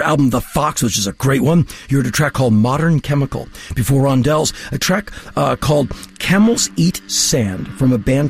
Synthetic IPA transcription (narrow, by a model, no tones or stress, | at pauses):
æ̰lˠbə̃m̩ʌðəfɑkswʌzd͡ʒʌstɨɡ̥ɹeɪʔ̚wʌ̃njɨə˞ɾɨtʰɹ̥ækʰɔlˠd̚mɑɾə̃˞nkʰɛməkl̩ˠb̥ɨfɔɹɑ̃ndɛlˠz̥ɨtʰɹ̥ækkʰɔlˠd̚kʰæml̩ˠzitsæ̃nd̥fɹʌ̃məbæ̃n